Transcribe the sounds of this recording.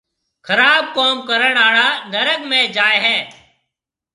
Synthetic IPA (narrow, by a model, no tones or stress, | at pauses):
kʰəɾaːb̚koːmkəɾəɳaːɽaːnəɾəɠmẽːd͡ʒaːeɦɛː